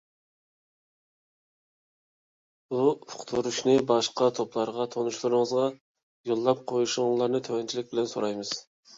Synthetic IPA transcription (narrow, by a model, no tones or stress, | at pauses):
bufʊ̥qt̪ʰuɾuʃnɨbɑʃqɑt̪ʰoplˠɑɾʁɑt̪ʰonuʃlˠɨɾɨŋəzʁɑ | jolˠːɑp̚qʰojuʃʊŋlˠɑɾnɨt̪ʰøwɛnt͡ʃʰilɪk̚ʲbɪlɛnsoɾɑjmɨz̥